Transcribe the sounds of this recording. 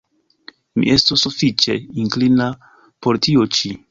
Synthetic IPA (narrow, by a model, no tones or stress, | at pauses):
mḭʔe̞stosːufit͡ʃe̞iŋklina | po̞ɾtiot͡ʃi